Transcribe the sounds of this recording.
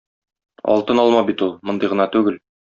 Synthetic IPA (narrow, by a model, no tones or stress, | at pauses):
ɒ̰lˠt̪ɤnɒlˠmɑbit̪ulˠmŏnd̪ɤjʁɤ̆nɑt̪ʉɡɘl